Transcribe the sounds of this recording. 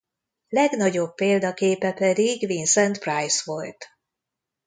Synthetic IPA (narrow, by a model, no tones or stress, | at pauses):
lɛɡnɒɟo̞bːeːld̪ɒkeːpɛpɛd̪iɡʋinsɛnt̪prajsʋo̞lt̪